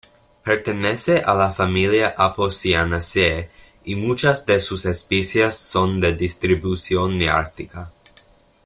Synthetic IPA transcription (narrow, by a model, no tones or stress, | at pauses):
peɾt̪e̞neseʔalafamiliaʔaposianase | imut͡ʃazd̪e̞susespisjasːo̞nd̪e̞d̪ist̪ɾibusjonːea̰ɾt̪ika